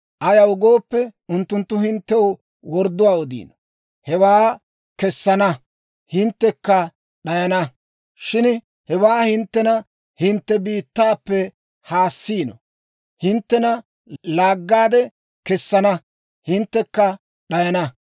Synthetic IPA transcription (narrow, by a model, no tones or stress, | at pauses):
ʔɐjɐwʊɡoːpːɛʊnt̪ːʊnt̪ːʊhɪnt̪ːɛw | wɔɾd̪ːʊwaːɔd̪ḭːnɔ | hɛwaː | kɛsːɐnɐ | hɪnt̪ːɛkːɐ | ɗɐjɐnɐ | ʃɪn | hɛwaːhɪnt̪ːɛnɐ | hɪnt̪ːɛbiːt̪ːaːpːɛ | haːsːiːnɔ̰ | hɪnt̪ːɛnɐ | laːɡːaːd̪ɛ | kɛsːɐnɐ | hɪnt̪ːɛkːɐ | ɗɐjɐnɐ